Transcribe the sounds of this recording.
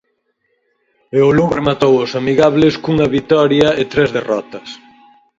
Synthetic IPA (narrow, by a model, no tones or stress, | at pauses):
eoluβɾemat̪owosamiɣaβleskuŋɐβit̪ɔɾjɐet̪ɾɛzðerɔt̪ɐs